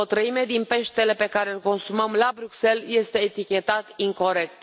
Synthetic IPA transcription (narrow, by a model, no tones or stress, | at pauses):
ot̪ɾəime̞d̪inpe̞ʃt̪e̞le̞pe̞kaɾe̞lko̞nsuməmlabɾukse̞lje̞st̪e̞ːt̪ikʲe̞t̪at̪iŋko̞ɾe̞k̚t̪